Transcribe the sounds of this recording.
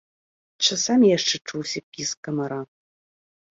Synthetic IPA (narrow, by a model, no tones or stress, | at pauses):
t͡ʃʷʰɨsamjɛʂʈ͡ʂʰːɨʈ͡ʂʰuwsipʰiskʼɐmɐɾa